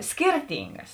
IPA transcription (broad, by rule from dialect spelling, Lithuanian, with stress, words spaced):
ˈsʲkʲiːrʲˌtʲɪŋɡɐs